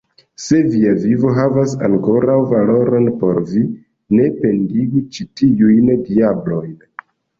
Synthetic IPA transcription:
se̞viavivo̞ɦavasa̰ŋko̞ɾawvalo̞ɾo̞npo̞ɾvi | ne̞pe̞ndiɡit͡ʃitiujndiablo̞jn

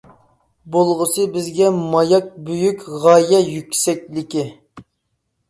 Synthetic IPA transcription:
bolˠʁəsɨbɪzɡʲɛmɑjɑk̚bøjykʲʁɑjɛjykʲsɛkʲlɪkʲi

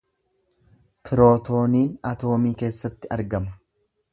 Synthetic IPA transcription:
pʰɪɾo̞ːt̪o̞ːniːnɐt̪o̞ːmiːke̞ːsːɐt̪ːɪɐɾɡɐmɐ̥

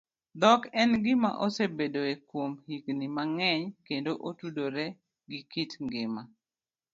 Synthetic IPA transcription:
d̪ɔkɛnɡɪma̰ʔosebedoekwomhiknimaŋɛɲkendoʔotudoɾɛ | ɡɪkitŋɡɪma

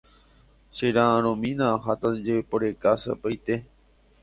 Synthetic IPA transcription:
ʃeɾããɾ̃õmĩnãɦat̪ad͡ʒeepoɾekasa̰pajt̪e

